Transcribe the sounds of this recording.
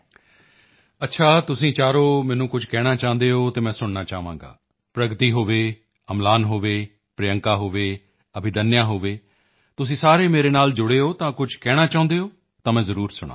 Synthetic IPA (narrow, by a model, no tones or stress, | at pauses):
ətːʃʰaːt̪ʊsĩːt͡ʃaːɾoːmɛ̃ːnũːkʊd͡ʒkɛːɽ̃aːt͡ʃaːʊ̃nd̪eːɦoːt̪eːmɛ̃ːsʊɳnaːt͡ʃaːʋã̰ːɡa̰ː | pɾəɡt̪iːɦoːʋeː | əmlaːnɦoːʋeː | pɾejəŋkaːɦoːʋeː | əbʱɪd̪ənjãːɦoːʋeː | t̪ʊsĩːsaːɾeːmeːɾeːnaːld͡ʒʊɽeːɦoːt̪ãːkʊd͡ʒkɛːɽ̃aːt͡ʃaːʊ̃nd̪eːɦoː | t̪ãːmɛ̃ːzəɾuːɾsʊɽã̰ː